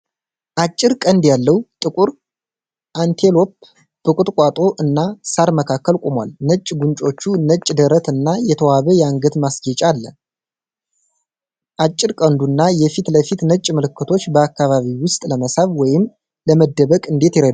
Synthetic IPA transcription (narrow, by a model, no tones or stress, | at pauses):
ʔat͡ʃʼːɪɾkʼənd̪jalːəwt̪ʼɨkʼuɾ | ʔant̪ʰelo̞p̚ | b̥ɨkʼut̪ʼkʼat̪ʼo̞ʔɨnːasaɾməkʰakːəlkʼomwa̰lnət͡ʃʼːɡunt͡ʃʼo̞t͡ʃːunət͡ʃʼːd̪əɾət̪ɨnːajɛt̪ʰəwaβəjaŋɡət̪masɡɛt͡ʃʼalːə | ʔat͡ʃʼːɪɾkʼənd̪unːajɛfit̪ləfit̪nət͡ʃʼmɨlɨkːɨt̪ʰo̞t͡ʃːbəakːaβaβiwʊst̪ʼləməsaβwɔjɪm | ləməd̪ːəβəkʼɨnd̪e̞t̪jɪɾe